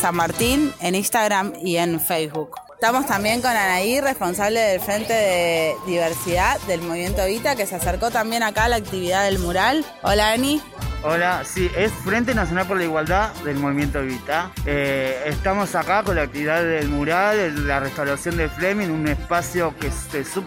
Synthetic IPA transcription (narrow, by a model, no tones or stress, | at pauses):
sammaɾt̪inenĩnst̪aɣɾamie̞nfejsβuk | t̪amo̞st̪ambje̞ŋko̞nanaire̞spo̞nsaβleðe̞lfɾe̞nt̪e̞ðeðiβ̞eɾsiðaðe̞lmoβimje̞nt̪oβit̪ake̞seaseɾko̞t̪ambje̞nakalaːk̚t̪iβiðaðe̞lmuɾal | olaani | olasiʔesfɾe̞nt̪̬enasjonalp̬oɾlaiɣwald̪aðe̞lmoβimje̞nt̪oβit̪aeːst̪amo̞sakako̞nlaːk̚t̪iβiðaelmuɾallarest̪awɾasjo̞nd̪elfɾemĩnunespasjo̞kesesu